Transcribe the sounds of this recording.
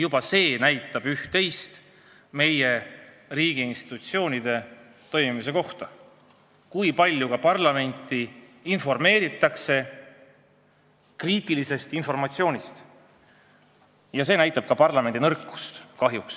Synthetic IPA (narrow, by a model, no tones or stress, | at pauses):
jub̥ɑse̞ːnæjt̪ːˑɑb̥yht̪ːe̞jst̪ | me̞je̞ | riːɡ̥iinst̪i̥t̪ut̪sio̞ːnid̪e̞ | t̪o̞jmimis̬e̞ko̞ht̪ɑ | kujpɑlʲjukɑpɑrlɑme̞nʲt̪ːˑiinfo̞rme̞ːɾit̪ːˑɑkse̞ | kriːt̪ːˑilise̞st̪info̞rmɑt̪sio̞ːnʲist̪ | jɑse̞ːnæjt̪ːˑɑb̥kɑpɑrlɑme̞nd̪̥inɤrkːˑu̥st̪kɑɦjuks